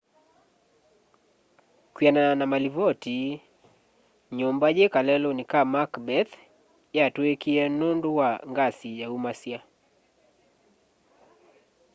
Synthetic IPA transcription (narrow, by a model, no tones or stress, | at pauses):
kianananamalivɔti | ɲɔmbaʄɛkalɛlɔnikamakbɛθ | jatuekiɛnɔnduwaŋɡasijaumasia